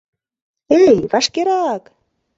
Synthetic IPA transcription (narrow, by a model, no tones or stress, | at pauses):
ejvɑʃkeɾɑk